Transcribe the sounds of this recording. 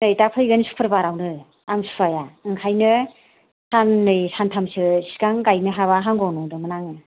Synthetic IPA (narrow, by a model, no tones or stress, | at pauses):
nɯjdapʰɯjɡɯnisu̥pʰɯɾbaɾawnɯ | amsu̥pʰajaɯŋkʰajnɯ | sanːɯjsantʰamsɯsi̥ɡaŋɡajnɯɦaβaɦaŋɡɔŋnɔŋdɯmɯnaŋɯ